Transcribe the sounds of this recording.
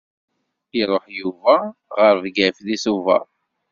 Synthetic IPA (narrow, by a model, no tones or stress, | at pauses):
iɾˤoħjuvæʁəɾvɡæfðisuvæ̰ˤ